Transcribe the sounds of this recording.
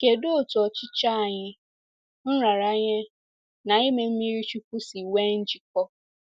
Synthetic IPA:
ke˨do˦o˨tu˨ɔ˨t͡ʃɪ˦t͡ʃa˦a˨ɲɪ˦ | n̩˦ɾa˨ɾa˦ɲɪ˦ | na˨i˦me˨m̩˦mi˦ɾi˦t͡ʃu˦ku˦si˨we˦n̩˦d͡ʒi˨k̚ɔ˦

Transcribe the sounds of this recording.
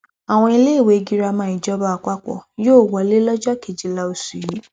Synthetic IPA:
a˨w̃ɔ̃˧i˧le˦i˦˨we˨˧ɡi˦ɾa˧mã˨˦i˨d͡ʒɔ˦ba˦a˧k͡pa˦kɔ̰˨joː˦˨wɔ˧le˦lɔ˦d͡ʒɔ˦ke˨d͡ʒi˨la˦o˧su˨ji˨˦

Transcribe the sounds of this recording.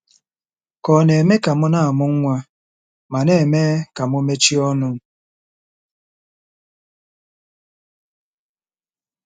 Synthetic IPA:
kɔ˨ne˨me˦ka˨mʊ˦na˦a˨mʊ˦ŋ̩˦ŋʷa˦ | ma˨ne˦e˨me˦ka˨mʊ˦me˦t͡ʃi˦ɔ˦nʊ˦˨

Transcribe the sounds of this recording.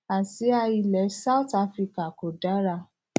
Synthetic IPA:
a˨si˨˦a˧i˧lɛ˨˦sa˦u˦ta˦fɾi˧ka˨ko˨da˨˦ɾa˧˨

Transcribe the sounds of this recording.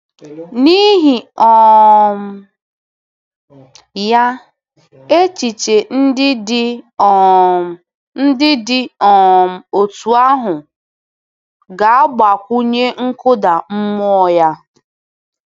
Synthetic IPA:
ni˦ɦi˨ɔ˨m˨ | ja˦ | e˦t͡ʃi˨t͡ʃe˨n̩˦dɪ˦dɪ˦˨ | n̩˦dɪ˦dɪ˦ɔ˨m̩˨o˨tu˨a˦ɦʊ˨ | ɡa˨a˦ɡ͡ba˨kʷu˦ɲe˦ŋ̩˦kʊ˦da˨m̩˦mɔ˦ɔ˦ja˦

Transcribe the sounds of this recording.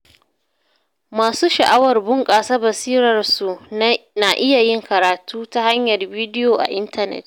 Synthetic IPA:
maː˨suː˦ʃɐ˨ʔa˦wɐ˨rbʊ˦ŋkʼaː˨sa˦bɐ˨siː˦ɾɐ˨rsu˨na˨ʔɪ˦ja˨jɪ˦ŋkɐ˨ɾaː˨tʰuː˦ta˦ha˦ɲjɐ˨rbiː˦dɪ˦joː˨ʔa̰˨ʔɪ˦ntɐ˦nɛ̰˨t̚

